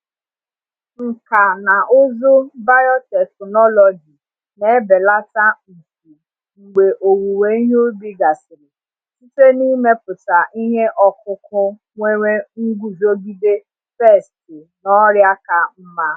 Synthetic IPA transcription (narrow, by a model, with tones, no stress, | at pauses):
ŋ̩˨ka˨na˨ʔʊ˦zʊ˦ba˦jɔ˦tɛ˨knɔ˦lɔ˨d͡ʒi˨ | ne˨˦be˨la˦ta˦n̩˨tu˨ | ŋ͡m̩˨ɡ͡be˨ʔo˨wu˨we˨˦i˦ɦo˦bi˦ɡa˨sɪ˨ɾɪ˨ | si˦te˦ni˦me˦pʊ˨ta˨ʔi˦ɦe˦ʔɔ˦kʊ˦kʊ˦ | ŋʷe˦ŋe˦ŋ̩˦ɡu˦zo˦ɡi˦de˦ | fɛ˦˨stɪ˨ | nɔ˦ɾja˦ka˨m̩˦ma˦